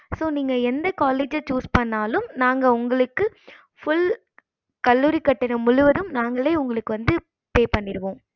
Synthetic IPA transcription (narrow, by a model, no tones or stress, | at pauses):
soːniːŋɡɐɛnd̪ɐkaːleːd͡ʒɐt͡ʃuːspɐɳːaːlɯmnaːŋɡɐʊŋɡɐɭɯkːɯ | fʊɭ | kɐlːuːɾikːɐʈːɐnɐmʊɻʊʋɐðɯmnaːŋɡɐɭeːʊŋɡɐɭɯkːɯʋɐnd̪ɯ | peːpɐɳːɪɾɯʋõː